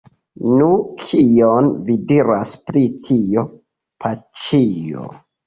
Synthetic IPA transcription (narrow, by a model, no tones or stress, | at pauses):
nukʰionvidiɾaspɾitʰio̞ | pʰat͡ʃijo̰